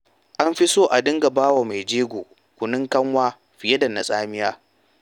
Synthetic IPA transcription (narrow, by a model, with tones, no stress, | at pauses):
ʔa˦mɸi˦soː˦ʔa˨dɪ˦ŋɡa˨baː˦wa˨ma˨jd͡ʒeː˦ɡʷoː˨ | kʷʊ˨nɪ˦ŋkɐ˦ŋwaː˦ | ɸɪ˨jɐ˦dɐ˨nːa˨sʼaː˦mɪ˦jaː˦